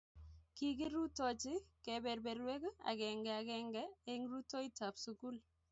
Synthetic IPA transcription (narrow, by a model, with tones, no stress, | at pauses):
ki˦ki˦ɾu˦to˨t͡ʃɪ˦ke˨be˨ɾbe˨ɾwe˦ka̰˨ɡɛ˨ŋɡɛ˨a˨ɡɛ˦ŋɡɛ˦e˦ŋɾu˦to˦i˦ta˨psu˨ku˦l